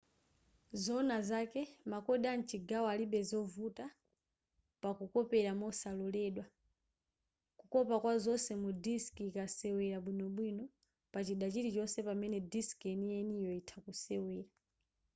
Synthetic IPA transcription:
zɔnazakɛmakɔɗan̩t͡ʃiɡawaliɓɛzɔvuta | pakukɔpɛɾamɔsalɔlɛɗwa | kukɔpakwazɔsɛmudiskiːkasɛwɛɾaɓwinɔɓwinɔ | pat͡ʃiɗat͡ʃitit͡ʃɔsɛpamɛnɛdiskɛnijɛnijɔitʰakusɛwɛːɾa

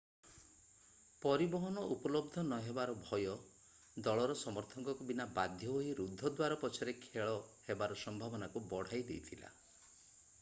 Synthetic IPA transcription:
pɔɾibɔɦɔnɔʔupɔlɔb̚d̪ʱɔnɔɦebaɾɔbʱɔjɔ | d̪ɔɭɔɾɔsɔmɔɾt̪ʰɔŋkɔkubinabad̪ʱjɔɦoiɾud̪ʱːɔd̪waɾɔpɔt͡ʃʰɔɾekʰeɭɔhebaɾɔsɔmbʱabɔnakubɔɽ̤ajd̪ḛjt̪ʰila̰

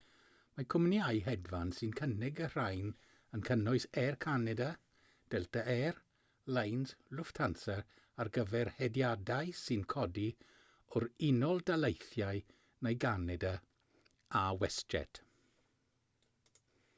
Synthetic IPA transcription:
makʰʊmnjajɦɛdvansɨnkʰənɪɡər̥ajn | ənkʰənʊɨsɛrkʰanɛda | d̥ɛlˠtaʔɛr | lejnslʊftʰansɛɾ | arɡəvɛrhɛdjadaɨsɪnkʰɔdi | ʊɾɪnɔlˠdalˠejθjaɨ | nejɡanɛda | awɛstɛ̰tʰ

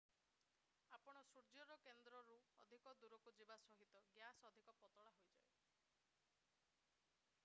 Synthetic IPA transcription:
apɔɽ̃ɔsuɾd͡ʒɔɾɔkend̪ɾɔɾuɔd̪ʱikɔd̪uɾɔkud͡ʒibasɔɦit̪ɔɡjasɔd̪ʱikɔpɔt̪ɔɭaɦojd͡ʒa̰e

